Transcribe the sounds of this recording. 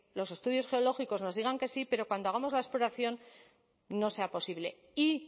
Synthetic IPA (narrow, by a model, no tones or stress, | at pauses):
lo̞se̞st̪uðjo̞sxe̞o̞lo̞xiko̞zno̞zðiɣaŋke̞sipe̞ɾo̞kwand̪oaɣ̞amo̞zlae̞splo̞ɾaθjo̞nː | o̞se̞apo̞siβle̞ | i